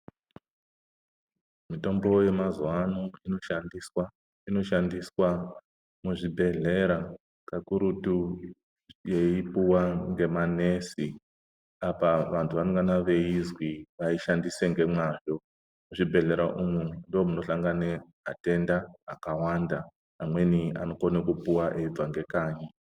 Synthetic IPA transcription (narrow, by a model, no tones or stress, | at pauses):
mito̞mbo̞je̞mazuwanoino̞ʃandiswa | ino̞ʃandiswa | muʐibʱe̞ɮe̞ɾa | kakuɾutu | jeipuwaŋɡe̞mane̞si | apaʋantʰuʋanoŋɡanaʋe̞izwiʋaiʃandiseŋɡe̞mwaʐo̞ | muʐibʱe̞ɮe̞ɾaʔumundomuno̞ɬaŋɡane | a̰te̞ndaːkawandaː | mwe̞nia̰no̞konekupuwaʔeib͡vaŋɡe̞kaːɲa